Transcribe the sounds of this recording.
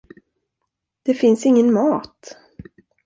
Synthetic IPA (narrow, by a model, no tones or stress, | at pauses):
d̪̥ɛfɪnsɪŋːənmɑːt̪